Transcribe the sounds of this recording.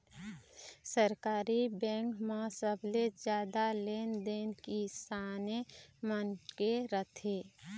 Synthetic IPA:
səɾkaːɾibɛ̃ːŋkmasəbled͡ʒjaːd̪aleːnd̪eːnkisaːnemənkeɾət̪ʰeː

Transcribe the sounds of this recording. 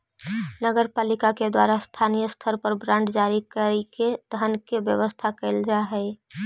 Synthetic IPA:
nəɡəɾpaːlikaked̪wa̰ːɾast̪ʰanijəst̪ʰəɾpəɾbɾãːɳɖd͡ʒaɾikəɾiked̪ʱənkebjəʋəst̪ʰakəɪld͡ʒaɦɛɪ

